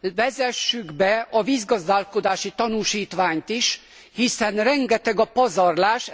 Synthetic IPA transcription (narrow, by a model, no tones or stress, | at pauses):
vɛzɛʃːyɡbɛɒviːzɡɒzd̪aːlko̞d̪aːʃit̪ɒnuʃiːt̪ʋaːɲt̪iʃ | hisɛnrɛŋɡɛt̪ɛɡɒpɒzɒrlaːʃ